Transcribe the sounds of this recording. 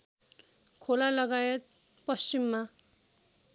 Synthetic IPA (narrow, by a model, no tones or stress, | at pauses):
kʰolalʌɡaet̪̚ | pʌst͡ɕimːa